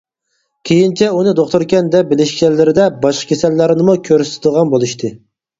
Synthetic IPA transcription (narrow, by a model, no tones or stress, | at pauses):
kʲʰejint͡ʃʰɛunɨd̪oχt̪uɾkʲɛnd̪ɛp̚bɪlɪʃɡʲɛlːɪɾɪd̪ɛbɑʃqʰə̥kʲʰesɛlːæɾnɪmukʲʰøɾsɪ̥t̪ʰɪd̪əʁɑnbolˠuʃt̪ʰɨ